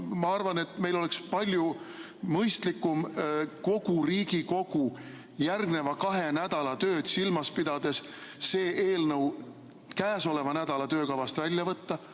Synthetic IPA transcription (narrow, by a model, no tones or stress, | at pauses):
mɑɑrvɑne̞t̪me̞jlo̞le̞kspɑlʲju | mɤjst̪likːˑumko̞ɡ̥uriːɡ̥iko̞ɡ̥u | jærɡne̞vɑkɑɦe̞næd̪̥ɑlɑt̪ø̞ːd̪̥silmɑspid̪̥ɑd̪e̞sːe̞ːʔeːlnɤw | kæːso̞le̞vɑnæd̪̥ɑlɑt̪ø̞ːkɑvɑst̪vælʲjɑvɤt̪ːɑ